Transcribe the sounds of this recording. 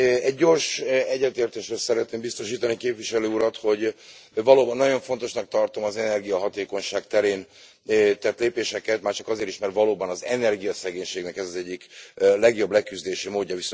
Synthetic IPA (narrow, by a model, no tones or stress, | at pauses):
ɛɟːo̞rʃɛɟːɛt̪eːrt̪eːʃreːsɛɾɛt̪neːmbist̪o̞ʃiːt̪ɒnikeːpviʃɛløːuɾɒt̪ho̞ɟvɒloːbɒnːɒɟo̞ɱfo̞n̪t̪o̞ʃnɒk̚t̪ɒrt̪o̞mɒzɛnɛrɡijɒɦɒt̪eːko̞ɲʃaːkt̪ɛɾeːn | t̪ɛt̪leːpeːʃɛkɛt̪maːrt͡ʃɒkɒzeːɾiʃmɛrt̪vɒloːbɒnɒzɛnɛrɡijɒsɛɡeːɲʃeːɡnɛkɛzɒzɛɟːiklɛɡjo̞blɛkyzd̪eːʃimoːɟːɒvis